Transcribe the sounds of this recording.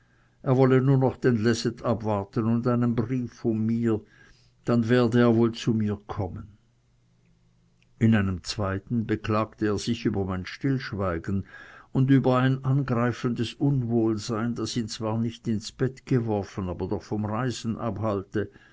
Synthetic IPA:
ʔeːɐvɔlənuːɐnɔχd̥enlɛsɛtʰabvaʁtənʊndaɪnənbʁiːfʊnmiːɐ | d̥anveːɐdəeːɐvoːlt͡sumiːɐkʰɔmən | ɪnaɪnəmt͡sv̥aɪtn̩bəklaːktəeːɐz̥ɪçyːbɐmaɪnʃtɪlʃvaɪɡən̩ʊndyːbɐaɪnʔanɡʁaɪfəndəsʔʊnvoːlzaɪndasiːnt͡sv̥aːɐnɪçtɪnsb̥ɛtɡ̥əvɔɐfənaːbɐdɔχfɔmʁaɪzn̩ʔabhaltə

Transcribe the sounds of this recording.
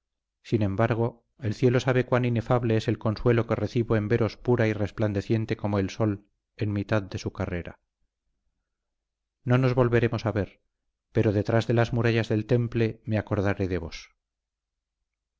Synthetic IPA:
sinẽ̞mbaɾɣ̞o̞ | e̞lθje̞lo̞saβe̞kwanine̞faβle̞ese̞lko̞nswe̞lo̞ke̞re̞θiβo̞e̞mbe̞ɾo̞spuɾairespland̪e̞θje̞nt̪e̞ko̞moe̞lso̞l | e̞nmit̪aðd̪e̞sukare̞ɾa̰ | no̞no̞zβo̞lβe̞ɾe̞mo̞saβe̞ɾ | pe̞ɾoðe̞t̪ɾazðe̞lazmuɾaʎazðe̞lt̪e̞mple̞me̞ako̞ɾðaɾe̞ðe̞βo̞s

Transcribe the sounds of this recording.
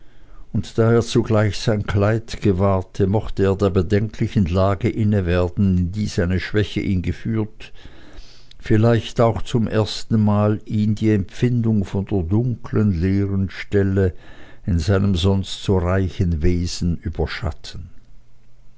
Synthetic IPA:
ʊntd̥aːeːɐt͡suɡlaɪçz̥aɪnkʰl̥aɪtɡ̥əvaːɐtʰəmɔxtəeːɐdeːɐbədɛŋkʰlɪçən̩laːɡəʔɪnəveːɐdn̩ɪndiːzaɪnəʃv̥ɛçəʔiːnɡəfyːɐt | fɪlaɪçtaʊxt͡sʊmʔeːɐstn̩maːliːmdiːɛmfɪndʊŋfɔndeːɐdʊŋkʰlənleːʁənʃtɛləɪnzaɪnəmzɔnstz̥oːʁaɪçənveːz̥n̩yːbɐʃa̰tʰən̩

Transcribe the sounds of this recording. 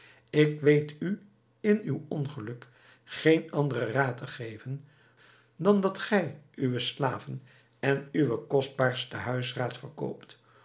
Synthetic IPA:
ɪkʋejty | ɪnywɔnχəlɵk | χejnɑndərəraːtəχejvən | dɑndɑtχɛjʔyʋəslaːvən | ɛnyʋəkɔsd̚baːɹstəɦœɥsraːtfərko̰wpt

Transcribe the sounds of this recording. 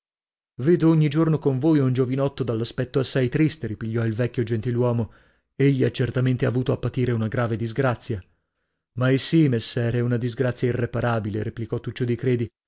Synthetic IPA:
veːd̪ooɲːid͡ʒornokoɱvojund͡ʒovinɔt̪ːod̪alːaspɛt̪ːoasːajt̪ɾist̪eɾipiʎːɔilvɛkʲːjod͡ʒent̪ilwɔːmo | eʎːiat͡ʃːert̪ament̪eavuːt̪oapːat̪iːɾeunaɡɾaːved̪izɡɾat̪sːja | majsimesːɛːɾɛunad̪izɡɾat̪sːjairːepaɾaːbilḛɾeplikɔt̪ːut͡ʃːod̪ikɾeːd̪i

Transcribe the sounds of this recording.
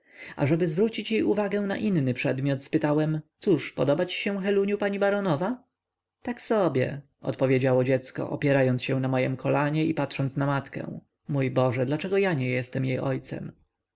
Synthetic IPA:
ʔa̰ʐɛbɘzvɾut͡ɕit͡ɕjejuvaɡɛw̃na̰ʔinnɘpʂɛd̪mʲjɔt̪spɘt̪awɛmt̪suʂpɔd̪ɔbat͡ɕi̥ɕɛ̃xɛluɲjupaɲibaɾɔnɔva | t̪aksɔbʲjɛ̰ | ɔ̰t̪pɔvʲjed͡ʑawɔd͡ʑɛt̪skɔ̰ʔɔ̰pʲjɛɾajɔnsɕɛ̃namɔjɛmkʰɔlaɲɛipatʂɔnt̪snamat̪kɛ̰̃w̃ | mujbɔʐɛd̪lat͡ʂɛɡɔjaɲɛjɛst̪ɛmjejɔjt̪sɛ̰m

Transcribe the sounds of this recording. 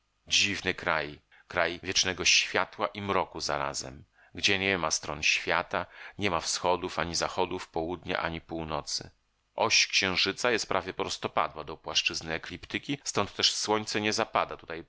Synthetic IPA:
d͡ʑivnɨkɾaj | kɾajvʲjɛt͡ʂnɛɡɔɕfʲjat̪waʔimɾɔkuza̰ɾa̰zɛ̰m | ɡd͡ʑɛɲɛmast̪ɾɔ̰nɕfʲjat̪aɲɛmafsxɔd̪ufaɲizaxɔd̪ufpɔwud̪ɲa̰ʔa̰ɲipuwnɔt̪sɘ̰ | ʔɔɕkɕɛ̃w̃ʐɘt̪sajɛst̪̚pɾʔavʲjɛpɾɔst̪ɔpa̰d̪wad̪ɔpwaʂt͡ʂɘznɘɛklʲipt̪ɘkʲist̪ɔnt̪ːɛʂswɔɲt̪sɛɲɛzapad̪at̪ut̪aj

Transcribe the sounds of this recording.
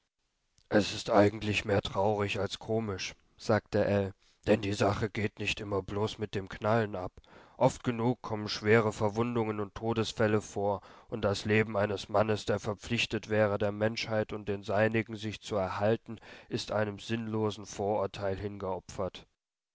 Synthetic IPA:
ʔɛsɪstʔaɪɡŋ̩tlɪçmeːɐtʁ̥aʊʁ̞ɪçalskʰoːmɪʃ | z̥aːk̚t̚dəʔɛl | d̥ɛndiːzaχəɡeːtnɪçtʔɪmɐbloːsmɪt̚d̥eːmkʰnalənʔapʔɔft̚ɡ̥ənuːkʰːɔmənʃv̥eːʁ̞əfɛɐvʊndʊŋənʊntʰːoːdəsfɛləfoːɐʔʊnt̚d̥asleːbm̩aɪnəsmanəsd̥eːɐfɛɐp͡flɪçtətv̥ɛːʁ̞ədeːɐmɛnʃhaɪtʊnt̚d̥eːnzaɪnɪɡŋ̩zɪçt͡suɛɐhaltn̩ʔɪstʔaɪnəmzɪnloːzn̩foːɐʔʊɐtʰaɪlɦɪnɡəʔɔpfɐt

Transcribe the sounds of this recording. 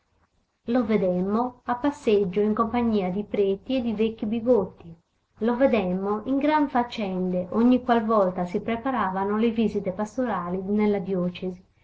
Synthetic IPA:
lovɛd̪ɛmːoapːasːed͡ʒːoiŋkompaɲːiːad̪ipɾet̪iɛd̪ivekːibiɡot̪ːi | lovɛd̪ɛmːoiŋɡɾaɱfat͡ʃːɛnd̪eʔoɲːikwalvɔlt̪asipɾɛpaɾaːvanolevizit̪ɛpast̪oɾaːlinɛlːad̪jɔːt͡ʃɛzi

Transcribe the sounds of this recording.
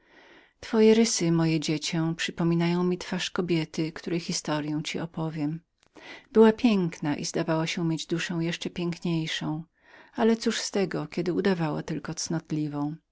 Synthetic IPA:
t̪fɔjɛɾɘsɘmɔjɛd͡ʑet͡ɕɛw̃pʂɘpɔmʲinajɔ̃w̃mʲit̪faʂkɔbʲjɛt̪ɘkt̪uɾɛjxʲist̪ɔɾjɛ̃w̃t͡ɕiʔɔpɔvʲjɛm | bɘwapʲjɛŋknaʔḭzd̪avawaɕɛmjed͡ʑd̪uʂɛ̃w̃jɛʂt͡ʂɛpʲjɛŋkɲejʂɔ̃w̃ | alɛt̪suʂst̪ɛɡɔkʲɛd̪ɘud̪avawa̰t̪ɘlkɔt̪snɔt̪lʲivɔ̃w̃

